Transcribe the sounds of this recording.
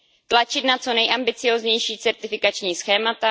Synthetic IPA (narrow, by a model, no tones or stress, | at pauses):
t̪lat͡ʃɪt̪nat͡so̞nɛjʔambɪt͡sɪjoːzɲɛjʃiːt͡sɛɾt̪ɪfɪkat͡ʃɲiːsxɛːmat̪a